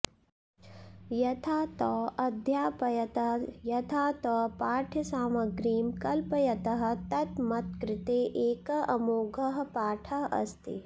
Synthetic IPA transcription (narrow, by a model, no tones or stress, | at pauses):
jɐt̪ʰaːt̪ɔːɐd̪ʱjaːpɐjɐt̪ɐjɐt̪ʰaːt̪ɔːpaːʈʰjɐsaːmɐɡɾiːmkɐlpɐjɐt̪ɐɦɐ̆t̪ɐt̪mɐt̪̚kɾɪt̪eːʔeːkɐʔɐmoːɡɐɦɐpaːʈʰɐɐ̰st̪ḭ